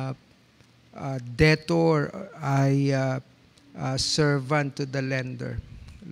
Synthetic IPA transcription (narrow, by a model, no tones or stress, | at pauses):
ʔad̪ɛt̪ɔɹaj | ʔasɛɹvãnt̪ud̪ɐlɛ̃nd̪ɛ̰ɹ